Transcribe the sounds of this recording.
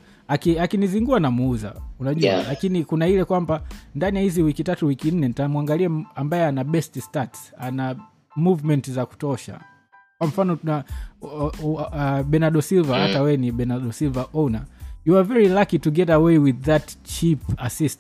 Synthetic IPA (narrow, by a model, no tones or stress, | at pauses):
akiakiniziŋɡuanamuuza̰unaʄua̰lakinikunailɛkwambandanijahiziwikitatuwikin̩nɛntamuaŋɡaliaambajɛanaɓɛststatsana | muvmɛntzaku̥tɔʃa̰ | kwam̩fanɔuna | ɓɛnaɗɔsilvahatawɛniɓɛnaɗɔsilvaʔɔnajuavɛɹilakituɡɛtawewiðatt͡ʃipasist